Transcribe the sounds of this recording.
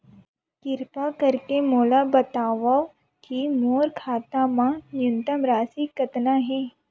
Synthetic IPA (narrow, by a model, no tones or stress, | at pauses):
kɪɾpakɐɾkemoːlabɐt̪aːʋa | kimoːɾkʰaːt̪amãnjʊnt̪əmɾaːsikɐt̪naɦɛː